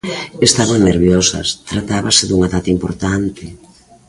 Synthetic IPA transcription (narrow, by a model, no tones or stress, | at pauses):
est̪aβaŋneɾβjɔsɐ̰st̪ɾat̪aβaseðuŋaðat̪impoɾt̪ant̪e